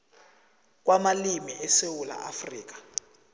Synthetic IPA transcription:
k̬wamalimiʔɛsewula̰ʔafriːk̬ḁ

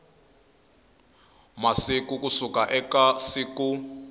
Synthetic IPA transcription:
masik̬ʼuk̬ʼusukʼaʔɛkasiku

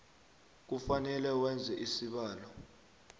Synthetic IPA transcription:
k̬ufanɛlɛwɛnd͡zʱɛʔisiɓaːlɔ

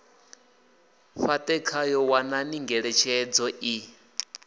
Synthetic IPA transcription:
ɸatʼɛkʰajɔwananiŋɡɛɺɛt͡ʃʰɛd͡zɔʔi

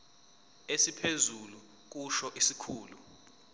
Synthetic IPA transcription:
esipʰezulu | k̬uʃɔʔisikʰuːlu

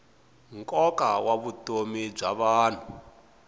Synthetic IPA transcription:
ŋkʼɔkawaβutomib͡ʐaβaːn̤u

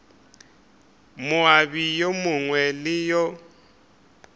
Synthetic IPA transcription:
mʊabijomʊŋwɛlɪjɔ

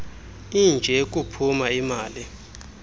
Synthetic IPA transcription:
ind͡ʒʱɛk̬ʼupʰumaimaːli

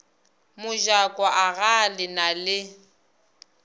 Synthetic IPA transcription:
mʊʒakʼwaʔaɣalɪnalɪ

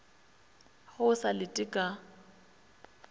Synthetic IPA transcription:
ɣʊʊsalɪtʼɪkʼa

